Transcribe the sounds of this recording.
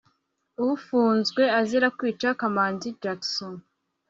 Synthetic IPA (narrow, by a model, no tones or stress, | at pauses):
uβufuːnzɡwe̞aziɾakwiːt͡ʃakamaːnzid͡ʒakson